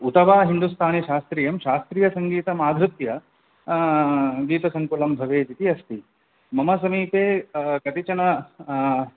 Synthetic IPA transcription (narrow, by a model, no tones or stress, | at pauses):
ut̪ɐʋaːɦind̪ust̪ʰaːniʃaːst̪ɾiːjɐmʃaːst̪ɾiːjɐsɐŋɡiːt̪ɐmaːd̪ʱɾut̪jɐ | ɡiːt̪ɐsɐŋkoːlɐmbʱɐʋeːt̪it̪iɐst̪i | mɐmɐsɐmiːpeːkɐt̪it͡ʃɐɳɐ